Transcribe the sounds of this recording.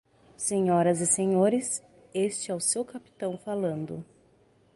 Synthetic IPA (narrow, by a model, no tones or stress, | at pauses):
seɲɔɾɐzɪseɲoɾɪs | est͡ʃɪɛʊsewkapi̥t̪ɐ̃w̃falɐ̃nd̪ʊ̰